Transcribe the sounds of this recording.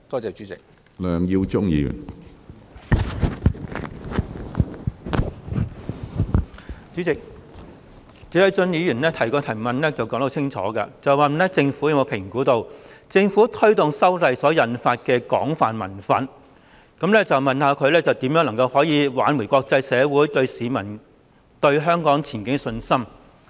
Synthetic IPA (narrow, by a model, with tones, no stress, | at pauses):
t̪ɔː˥t͡sɛː˨t͡ʃy˨˦˥t͡sɪ˨k̚ | lœː˨ŋji˧wt͡ʃʊ˥ŋjḭː˧jy̰˨˩ | t͡syː˨˥t͡sɪ˨k̚ | t͡siː˨˥ɐ˨˧jt͡sɵ˧njiː˨˧jyː˨˩nlɛː˥t̪ʰɐ˨˩jkɔː˧t̪ʰɐ˨˩jmɐ˨nlɛː˥t͡sɐ˨wkɔː˨˥ŋt̪ʰːt͡sʰɪ˥ŋt͡ʃʰɔ̰ː˨˥kɐ̰˧t͡sɐ˨mɐ˨n˨nɛː˥t͡sɪ˧ŋfuː˨˥jɐ˧˥mo˧wpʰɪ˨˩ŋkuː˨˥t̪o˨˧wt͡sɪ˧ŋfuː˨˥t̪ʰɵ˥ɥt̪ʊ˨˩ŋsɐ˥wlɐ˨jsɔː˨˥jɐ˨nfaː˧t̚kɛː˧kɔ̰ː˨˥ŋfa̰ː˨nmɐ̰˨˩nfɐ˨n | kɐ˨˥mlɛː˥t͡sɐ˨wmɐ˨nhaː˧kʰɵ˨˧ɥlɛ˥t͡sɐ˨wt̪iː˨˥mjœː˨˥ŋlɐ˨˩ŋkɐ˧whɔː˨˥jiː˨˧wa̰ː˨˥nwu˨˩jkɔː˧k̚t͡sɐ˧jsɛː˨˧wuː˨˥jt̪ɵ˧ɥsiː˨˧mɐ˨˩n | t̪ɵ˧ɥɦœː˥ŋkɔː˨˥ŋt͡sʰiː˨˩nkɪ˥ŋsɵ˧nsɐ˥m